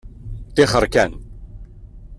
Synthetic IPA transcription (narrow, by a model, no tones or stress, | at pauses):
t̪ɪχəɾkæn